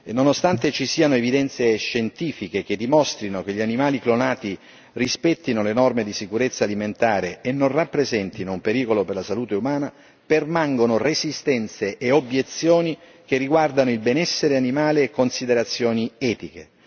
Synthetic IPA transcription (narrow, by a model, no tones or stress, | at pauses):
nːonost̪ant̪et͡ʃisiːanoevid̪ɛnt̪seʃent̪iːfikek̟ed̪ːimost̪ɾinok̟eʎːianimaːliklonaːt̪i | rispɛt̪ːinolenɔrmed̪isikuɾet̪sːaliment̪aːɾeːnːonrapːɾezɛnt̪inoumpeɾiːkoloperlasaluːt̪eumaːna | permaŋɡonorezist̪ɛnt̪seʔːobjet̪sːjoːni | k̟erːiɡward̪anoilbenɛsːeɾeanimaːleːkːonsid̪eɾat̪sːjoːniɛːt̪ike